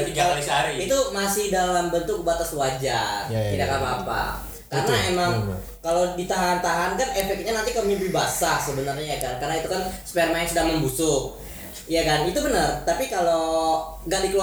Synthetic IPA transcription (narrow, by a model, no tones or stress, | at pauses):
iɡaisaiit̪umasɪhdalambənt̪ʊk̚bat̪aswad͡ʒark̪idakamaːpa̰ | karənaemaŋ | kalodit̪aɦant̪aɦankanefɛk̚t̪̚ɲanant̪ikəmiləbihbasasəbənarɲajakankarnait̪ukanspɛrmaɪnsudahməmbusʊk | jakanit̪ubənərt̪apikalo | ŋɡaʔdikəlu